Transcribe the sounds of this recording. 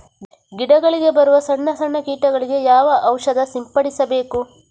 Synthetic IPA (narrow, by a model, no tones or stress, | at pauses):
ɡiɽɐɡɐɭiɡe̞bɐɾuʋɐsɐɳːɐsɐɳːɐkiːʈɐɡɐɭiɡe̞jaːʋɐʔɐwʂɐd̪ɐsimpɐɽisɐbe̞ːku